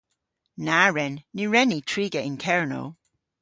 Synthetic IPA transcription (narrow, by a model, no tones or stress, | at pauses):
naːɹɛnːiɹɛnitʰɹiːɡəɪnkʰɛɹno̰